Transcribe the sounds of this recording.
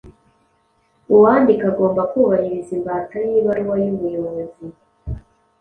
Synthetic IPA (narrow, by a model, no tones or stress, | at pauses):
uwaːndikaɡo̞ːmbakuβahiɾizimbaːtajiːβaɾuwajuβujoβoβozi